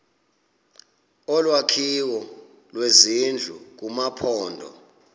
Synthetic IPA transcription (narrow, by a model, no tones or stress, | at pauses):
ɔlwakʰiwɔ | lwezind͡ɮʱuk̬umapʰɔːndʱɔ̰